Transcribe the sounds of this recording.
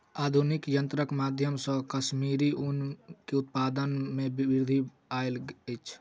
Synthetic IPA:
ad̪ʱunikjənt̪ɾəkmad̪ʱjəmsə̃kəsmiɾiʔunkeut̪̚pad̪ənmebibiɾd̪ʱi | aelət͡ʃʰ

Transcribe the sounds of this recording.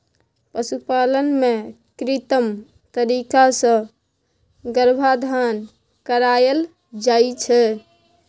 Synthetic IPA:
pəsupalənme | kɾit̪əm | t̪əɾikasə̃ | ɡəɾbʱad̪ʱan | kəɾajəl | d͡ʒajt͡ʃʰɛ

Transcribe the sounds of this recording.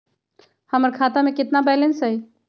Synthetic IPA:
həməɾkʰat̪amẽkɪt̪nabɛlənsɦəj

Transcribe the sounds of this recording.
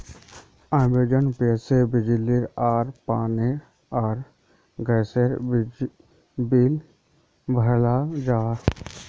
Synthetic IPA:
ãːmbed͡ʒənpeːsebɪd͡ʒliɾaːɾpaːne | aːɾ | ɡɛːseɾbd͡ʒ | biːl | bʱəlad͡ʒaː

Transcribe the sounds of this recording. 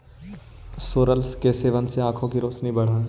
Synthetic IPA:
soːɾəlskeseːʋənseãːkʰõkiɾoːsnibɐɽ̤ə̃ː

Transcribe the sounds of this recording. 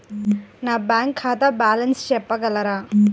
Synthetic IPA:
naːbaːŋkʰːaːt̪abaːlɐnst͡ʃɛpːɐɡɐlːɐɾaː

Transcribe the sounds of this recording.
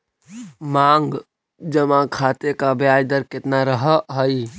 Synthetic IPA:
mãŋɡ | d͡ʒəmãkʰat̪ekabjajd̪əɾket̪naɾəɦəɦəj

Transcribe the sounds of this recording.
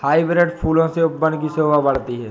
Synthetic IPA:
haːibɾeɖpʰuːlõseʊpːə̃nd̪kisoːbabɐɽt̪iɦɛː

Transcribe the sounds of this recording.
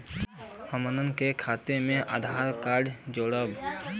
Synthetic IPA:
həmənənkekʰaːt̪emẽʔaːd̪ʱaːɾkaːɾɖd͡ʒoːɽəb

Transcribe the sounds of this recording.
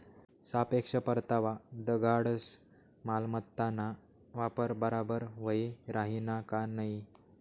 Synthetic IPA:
sapekʂəpəɾt̪aʋad̪əɡaɽəs | malmət̪ːana | ʋapəɾbəɾabəɾʋəiɾaɦinakanai

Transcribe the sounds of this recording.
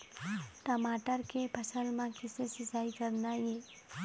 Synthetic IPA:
ʈəmaːʈəɾkepʰəsəlmãkɪsesɪsaːikəɾnajeː

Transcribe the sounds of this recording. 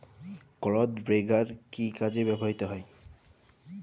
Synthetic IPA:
kɔlɔd̪bɾeɡaɾkikad͡ʑebɛboɦit̪oɦɔe

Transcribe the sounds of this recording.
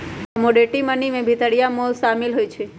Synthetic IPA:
əmoɖeʈimənimẽbʱit̪əɽijamoʃamilɦojt͡ʃʰe

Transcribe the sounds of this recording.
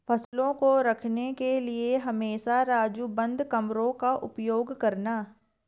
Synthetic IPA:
fʰɐslõkoɾɐkʰnekelieɦɐmeːʃaɾaːd͡ʒubɐ̃nd̪ʱkɐmɾõkaʔʊpjoːɡkɐɾnaː

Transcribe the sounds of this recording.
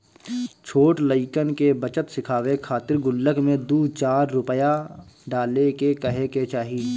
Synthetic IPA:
t͡ʃʰoːʈləɪkənkebət͡ʃət̪sɪkʰaːwekʰaːt̪ɪɾɡʊlːəkmẽd̪uːt͡ʃaːɾːʊpəjaɖaːlekekəɦeket͡ʃaːɦiː

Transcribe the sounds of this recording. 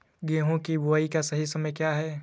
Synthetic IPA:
ɡeːɦõkibʱʊaːikasɐɦisɐməjkjaːɦɛː

